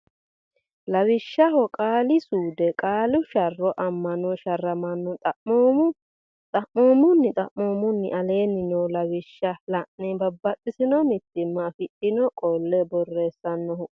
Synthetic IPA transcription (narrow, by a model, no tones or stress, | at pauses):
lɐwɪʃːɐɦɔkʼaːlɪsuːd̪ɛkʼaːlʊʃɐrːɔʔɐmːɐnɔʃɐrːɐmɐnːɔt̪ʼɐʔoːmʊ | t̪ʼɐʔmoːmʊnːɪt̪ʼɐ̰ʔoːmʊnːɪ̰ʔɐle̞ːnːɪnɔwlɐwɪʃːɐlɐʔnɛbɐbːɐt̪ʼːɪsɪnɔmɪt̪ːɪmːɐfɪᶑɪnɔkʼɔlːɛbɔrːeːsːɐnːɔʊ